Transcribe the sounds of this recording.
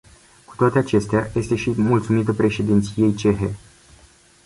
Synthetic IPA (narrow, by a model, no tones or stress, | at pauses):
ku̥t̪oat̪eat͡ʃe̞st̪eaje̞st̪e̞ʃimult̪sumit̪əpɾe̞ʃe̞d̪int̪sije̞jt͡ʃe̞ɦe